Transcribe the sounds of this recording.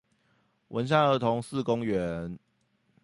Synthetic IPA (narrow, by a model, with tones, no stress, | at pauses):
wʔə̰˧˦nɕ̬a˥˩ə˧˥t̪ʰo˧˦ŋsɹ̩˥˨kʊ˦ŋɥɛ˦n